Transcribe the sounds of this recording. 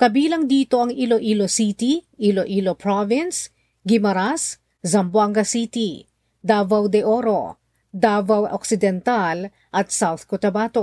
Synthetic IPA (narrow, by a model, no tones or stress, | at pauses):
kɐbiːlɐŋd̪iːt̪o̞ʔɐŋiloʔilosit̪iʔiloʔilopɹovɪns | ɡɪmɐɾas | zɐmbwaŋɡɐsit̪i | d̪aːvɐwd̪ɛʔoɾo̞̰ | d̪avɐwoksɪd̪ɛnt̪al | ʔɐt̪̚sawθkʊt̪ɐbaːt̪o